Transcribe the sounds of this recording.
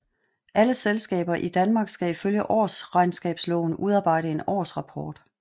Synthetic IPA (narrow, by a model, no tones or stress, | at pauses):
ʔæləselsɡ̥ɛ̰ːb̥ɐʔid̥ænmɑ̈ːɡ̥sɡ̥æiføljəʔɒ̰ːsʁɑ̈ɪnsɡ̥ɛːb̥slɔʊn̩ʔuð̞ˠɑ̈ːb̥ɑ̈ɪ̰ɾəe̝nɒ̰ːsʁɑ̈pʰɒːd̥